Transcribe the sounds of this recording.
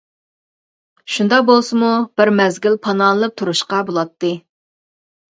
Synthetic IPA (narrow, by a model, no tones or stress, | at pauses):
ʃund̪ɑqbolˠsɨmub̥ɪɾmɛzɡʲilpʰɑnɑnlˠɨp̚t̪ʰuɾuʃqɑbolˠɑt̪ːɨ